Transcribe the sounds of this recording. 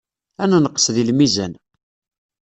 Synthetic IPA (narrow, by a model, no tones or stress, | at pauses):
ænænəqːə̥sðilmizæ̰n